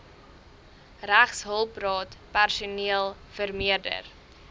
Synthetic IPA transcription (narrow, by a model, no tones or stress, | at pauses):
ræχsɦəlˠprɑːtpærsuniəlˠ | fərmiərdə̰r